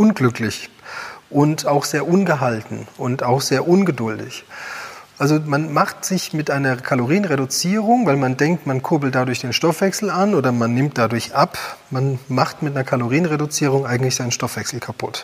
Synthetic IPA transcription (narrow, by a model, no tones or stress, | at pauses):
ʔʊnɡlʏklɪç | ʔʊntʰaʊxz̥eːɐʔʊnɡəɦaltn̩ʊntaʊxz̥eːɐʔʊnɡədʊldɪ̰ç | ʔalzomanmaχtz̥ɪçmɪtʔaɪnɐkʰaloʁiːənʁedʊt͡siːʁ̞ʊŋvaɪlmandɛŋk̚tmankʰʊɐbl̩t̚d̥adʊɐçd̥eːnʃtɔfv̥ɛksl̩anʔoːdɐmanːɪmt̚d̥adʊɐçʔapmanmaχtmɪtanɐkʰaloʁ̞iːənʁedʊt͡siːʁ̞ʊŋʔaɪɡŋ̩tlɪçsz̥aɪnənʃtɔfv̥ɛksl̩kʰapʰʊt